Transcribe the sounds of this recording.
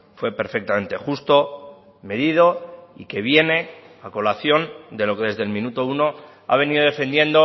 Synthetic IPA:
fwe̞pe̞ɾfek̚t̪amẽ̞nt̪e̞xust̪o̞ | me̞ðið̞o̞ike̞β̞je̞ne̞ | ako̞laθjo̞nd̪e̞lo̞keðe̞zðe̞lmĩnut̪o̞uno̞ | a̰β̞e̞niðoðe̞fe̞nd̪je̞nd̪o̞

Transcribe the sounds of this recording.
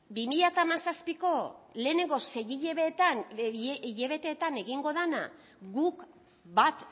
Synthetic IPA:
bimiʎat̪aːmasaspiko̞le̞ːne̞ŋɡo̞se̞ɣiʎeβet̪an | ʎe̞βe̞t̪e̞ːt̪ane̞ɣiŋɡo̞ðena̰ | ɡuk | bat̪

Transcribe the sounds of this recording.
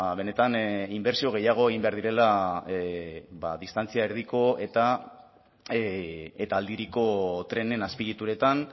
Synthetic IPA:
e̞ne̞t̪animbe̞ɾsio̞ɣ̞e̞jaɣ̞o̞eɣimbe̞aɾðiɾe̞la | baðist̪ant͡siaeɾðiko̞e̞t̪a | et̪aːld̪iɾiko̞t̪ɾe̞ne̞naspiɾit̪uɾe̞t̪an

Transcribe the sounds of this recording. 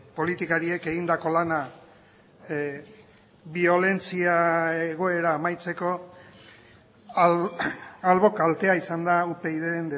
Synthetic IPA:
po̞lit̪ikaɾie̞ke̞ɣind̪ako̞lana | βio̞le̞nt͡siaeɣ̞o̞e̞ɾaːmajt͡se̞ko̞ | alβo̞kalt̪e̞aisand̪aupe̞iðeɾend̪e

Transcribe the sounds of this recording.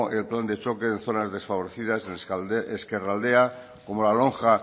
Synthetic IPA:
ʔelpland̪e̞t͡ʃo̞ke̞ːnθo̞nazðe̞sfaβo̞ɾeθiðaseneskerald̪ea | ko̞molaloŋxa

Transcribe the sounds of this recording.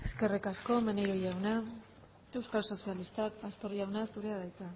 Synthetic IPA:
eske̞rikasko̞menejɾo̞jawna | e̞wskalso̞sialist̪akast̪o̞riawnasuɾe̞aðajt͡sa

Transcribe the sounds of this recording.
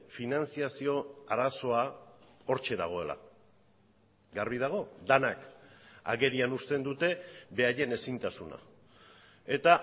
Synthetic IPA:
finant͡siasio̞aɾaso̞ao̞ɾt͡ʃe̞ða̰ɣ̞o̞e̞la̰ | ɡaɾβið̞aɣ̞o̞d̪anaka̰ɣe̞ɾianust̪e̞nd̪ut̪e̞βe̞aje̞ne̞sint̪asuna̰ | e̞t̪a

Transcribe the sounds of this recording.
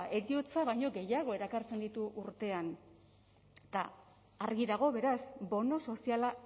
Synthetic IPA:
e̞ɾiot͡saβajɲo̞ɡe̞jaɣ̞o̞e̞ɾakaɾt͡se̞nd̪it̪uʔuɾt̪e̞an | t̪a̰ | aɾɣiðaɣ̞o̞βe̞ɾasbo̞no̞so̞siala

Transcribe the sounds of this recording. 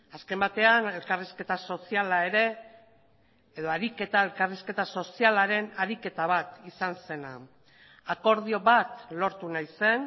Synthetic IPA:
aske̞mbat̪e̞ane̞lkariske̞t̪aso̞sialae̞ɾe̞ | eðo̞aɾike̞t̪aelkariske̞t̪aso̞sialaɾe̞naɾike̞t̪aβat̪isanse̞na | ako̞ɾðio̞βat̪lo̞ɾt̪unajse̞n

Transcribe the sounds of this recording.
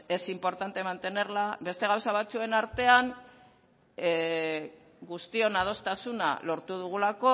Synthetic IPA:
e̞simpo̞ɾt̪ant̪e̞mant̪e̞ne̞ɾlabe̞st̪e̞ɣ̞awsaβ̞at͡sue̞naɾt̪e̞aŋ | ɡust̪io̞nað̞o̞st̪asuna̰lo̞ɾt̪uð̞uɣ̞ulako̞

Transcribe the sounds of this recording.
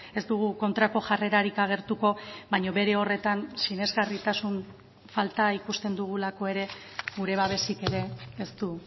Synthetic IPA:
e̞zd̪uɣ̞uko̞nt̪ɾako̞ʝare̞ɾaɾikaɣ̞e̞ɾt̪uko̞bajɲo̞βe̞ɾe̞o̞re̞t̪ansine̞zɣarit̪asun | falt̪aikust̪e̞nd̪uɣ̞ulako̞e̞ɾe̞ | ɡuɾe̞βaβ̞e̞sike̞ɾe̞ːst̪u

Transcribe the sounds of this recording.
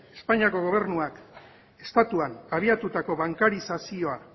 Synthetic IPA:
e̞spaɲiako̞ɣ̞o̞β̞e̞ɾnuak | e̞st̪at̪uanaβ̞iat̪ut̪ako̞βaŋkaɾisasio̞a

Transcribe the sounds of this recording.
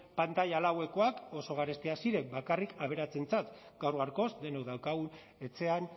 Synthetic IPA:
pant̪aʎalawe̞ko̞ako̞so̞ɣ̞aɾest̪iasiɾe̞mbakarikaβe̞ɾat͡se̞nt͡sat̪ | ɡ̥awɾɣaɾko̞sd̪e̞noðawkaɣun | e̞t͡se̞an

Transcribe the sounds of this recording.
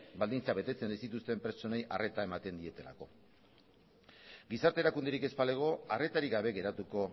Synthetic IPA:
bald̪int͡saβe̞t̪e̞t͡se̞naijsit̪ust̪e̞mpɾt͡so̞ne̞jare̞t̪ae̞mat̪e̞nd̪ie̞t̪e̞la̰ko̞ | ɡisaɾt̪eɾakund̪eɾikespale̞ɣ̞o̞are̞t̪aɾiɣaβ̞e̞ɣe̞ɾat̪uko̞

